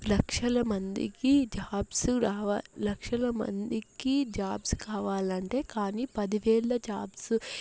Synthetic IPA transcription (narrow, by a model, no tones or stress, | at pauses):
lɐkʂɐlɐmɐnd̪ḭkid͡ʒaːbsuɾaːʋalɐkʂɐlɐmɐ̰nd̪ikid͡ʒaːbskaːʋaːlɐɳʈe̞ːkaːniːpɐd̪iʋeːɭːɐd͡ʒaːbsu